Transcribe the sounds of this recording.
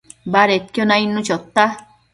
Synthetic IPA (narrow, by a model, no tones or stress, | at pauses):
baɾet̪̚kʲjɔnajnːut͡ʃɔt̪ːa